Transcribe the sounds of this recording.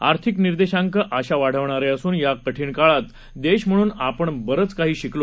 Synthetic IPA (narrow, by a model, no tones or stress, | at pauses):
a̰ɾt̪ʰikniɾd̪eɕãŋkəʔaɕaʋaɽ̤əʋɳaɾɛəsuːnjakəʈʰiːɳkaɭat̪ | d̪eɕm̤əɽ̃uːnapəɳbəɾət͡skaɦiːɕiklo